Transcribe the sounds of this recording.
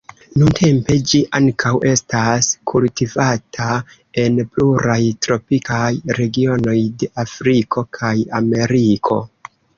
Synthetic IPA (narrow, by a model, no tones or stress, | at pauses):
nuntʰe̞mpe̞d͡ʒiʔaŋkʰawʔe̞staskʰultivatʰa | e̞npluɾajtɾo̞pikajɾe̞ɡio̞no̞jde̞ʔafɾikʰo̞kʰaja̰me̞ɾikʰo̞̰